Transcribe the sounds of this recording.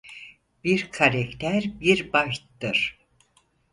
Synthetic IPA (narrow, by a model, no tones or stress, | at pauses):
biɾkʰaɾɛkt̪ʰæɾbiɾbaʃt̪ːɯɾ̥